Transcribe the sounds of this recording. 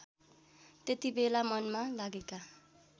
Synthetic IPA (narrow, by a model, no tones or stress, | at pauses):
t̪et̪ibelamʌnmalaɡeka